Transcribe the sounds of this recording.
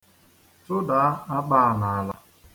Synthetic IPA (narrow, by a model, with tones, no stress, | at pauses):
tʊ˦da˨˦a˦a˦k͡pa˦a˨na˨a˨la˦